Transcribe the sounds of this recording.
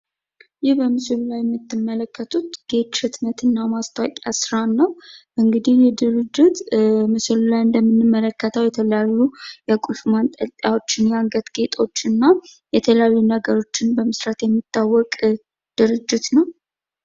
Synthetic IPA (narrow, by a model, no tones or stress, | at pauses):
jɪhbəmɨsɨllajɛmːɨt̪ːɨmːələkʰːət̪ʰut̪ɡ̥e̞t̪ʃɨt̪mət̪ʰɨnːamast̪ʰawkʼasɾanːəwʔɨŋɡɨd̪ihjɛd̪ɨɾɨd͡ʒːɪt̪mɨsɨllajɨnd̪əmːɨnːɨmːələkːət̪ʰəwjɛt̪ʰələjajːujɛkʼulfmant̪ʼəlt̪ʼjawo̞t͡ʃːɪnjaŋɡət̪ɡ̥e̞t̪ʼʰo̞t͡ʃːɨnːajɛt̪ʰələjajːunəɡəɾo̞t͡ʃːɪnbəmɨsɾat̪jɛmːit̪ːawːɔkʼ | d̪̥ɨɾɨd͡ʒːɪt̪nəw